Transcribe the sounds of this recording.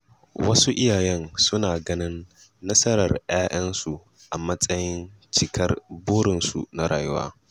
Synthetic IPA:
wɐ˦su˦ʔɪ˦jaː˨jɛ˦nsʊ˦naː˨ɡɐ˦nɪ˦nː | ɐ˦sɐ˦ɾɐ̰˨rj̰aː˦ʔɐ˦nsu˨ | ʔa˨mɐ˦sʼɐ˦jɪ˦nt͡ʃɪ˨kɐ˦rboː˦ɽɪ˨nsṵ˨na˦ɽa̰ː˨jʊ˦wa̰ː˦

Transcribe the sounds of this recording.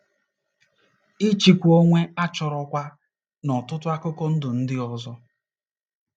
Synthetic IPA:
i˦t͡ʃi˨kʷu˨o˦ŋʷe˦a˦t͡ʃɔ˨ɾɔ˦kʷa˦ | nɔ˨tʊ˦tʊ˦a˦kʊ˦kɔ˦n̩˦dʊ˨n̩˦dɪ˦ɔ˦zɔ˦

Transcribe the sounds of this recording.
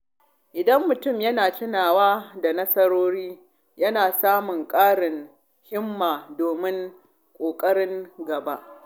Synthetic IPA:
ʔɪ˨dɐ˦mːʊ˨tʊ˦˨mjɐ˦naː˨tɪ˦naː˨waː˦da˨nɐ˦sɐ˦ɾoː˦ɾiː˦ | jɐ˦naː˨saː˦mʊ˨ŋkʼaː˦ɽɪ˨ŋ | hɪ˦mːaː˨doː˨mɪ˦ŋ | kʷʼoː˨kʼɐ˦ɽɪ˦ŋɡɐ˨ba˦ʔ

